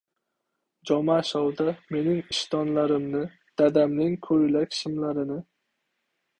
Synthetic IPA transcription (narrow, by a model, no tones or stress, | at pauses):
d͡ʒɒmaʃɒwd̪ame̞nɪŋɪʃt̪ʰɒnlaɾɪmnɪ | d̪̥ad̪amnɪŋkʰɵjlakʲʃɪmlaɾɪnɪ